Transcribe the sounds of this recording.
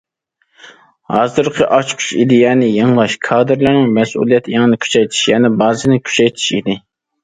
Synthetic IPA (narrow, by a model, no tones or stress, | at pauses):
hɑːzɨɾqʰəʔɑt͡ʃkʰy̥t͡ʃid̪ɪjɛnɪjɨŋlˠɑʃkʰɑːd̪ɨɾlɨɾnɪŋmɛsṵlˠijɛt̪ʰɪjɑŋnɪkʲʰy̥t͡ʃʰɛjt̪ʰi̥ʃjɛnɪbɑːzɨnɪkʲʰy̥t͡ʃʰɛjt̪ʰi̥ʃḭd̪ɪ